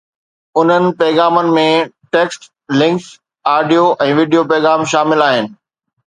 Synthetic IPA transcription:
ʊn̤ənɪ̆pɛːɣaːmənɪ̆mẽʈeːksʈ | lɪ̃ŋks | aːɖijoʔɛ̃ːʋiːɖijopɛːɣaːmʃaːmɪlaːɦɪnɪ̆

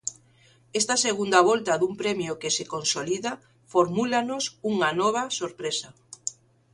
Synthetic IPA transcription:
est̪ɐseɣund̪aβɔlt̪aðumpɾemjʊkesekonsoliða | foɾmulanosuŋanɔβ̞ɐsoɾpɾesɐ

